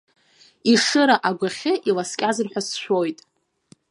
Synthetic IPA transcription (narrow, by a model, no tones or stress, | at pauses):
iʂɨɾaʔaɡʷaχʲɪʔilaskʲʼazɨrħʷᶣasʃʷo̞jtʼ